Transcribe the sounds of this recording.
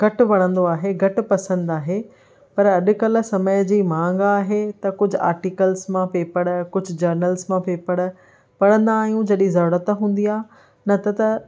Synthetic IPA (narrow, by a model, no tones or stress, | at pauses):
ɡ̥ʱɐʈʊʋɐɽ̃ə̃nd̪oaːɦeɡʱɐʈʊ̆pɐsə̃nd̪aːɦe | pɐɾɐɗʊ̆kɐl̆sɐməjd͡ʑiːmãːŋɡaːɦet̪ɐkʊd͡ʑʱʊa̰ːɾʈikəlzmãpeːpɐɽkʊd͡ʑʱʊ̆d͡ʑɐɾnəlzmãpeːpɐɽ̆ | pɐɽə̃nd̪aːɦijũd͡ʑɐɗĩzɐɾʊːɽət̪ɦũːn̆d̪iaː | nɐt̪ɐt̪ɐ